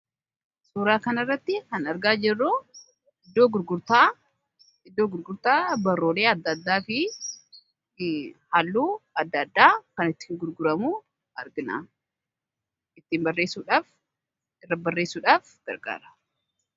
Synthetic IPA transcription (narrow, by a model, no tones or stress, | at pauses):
suːɾaːkɐnɐrːɐt̪ːɪhɐnɐɾɡaːd͡ʒɛrːoː | ɪd̪ːo̞ːɡʊɾɡʊɾt̪aː | ɪd̪ːo̞ːɡʊɾɡʊɾt̪aːbɐrːoːle̞ːɐd̪ːɐd̪ːaːfɪ | hɐlːuːɐd̪ːɐd̪ːaːkɐnɪt̪ːi̥ːŋɡʊɾɡʊɾɐmuː | ɐɾɡɪna̰ː | ɪt̪ːiːmbɐrːe̞ːsuːᶑaːf | ɪrːɐbɐrːe̞ːsuːᶑaːfɡ̥ɐ̰ɾɡa̰ːɾɐ̥